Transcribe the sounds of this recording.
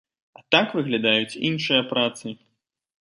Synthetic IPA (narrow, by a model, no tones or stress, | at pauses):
at̪akvɨɣlʲad̪ajut͡sʲinʂɨjɐpɾat̪sɨ